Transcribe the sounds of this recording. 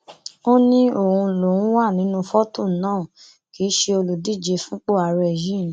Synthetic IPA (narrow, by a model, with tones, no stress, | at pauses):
o˦nĩ˦o˦˨hũ˧lo˨ũ˦wa˦˨nĩ˨˦nũ˧fɔ˦tũ˦˨˦nãː˦˨ | ki˨˦ʃe˧o˧lu˨di˦˨d͡ʒe˧fũ˦k͡po˦˨a˨˧ɾɛ˦˨jĩ˦˨˦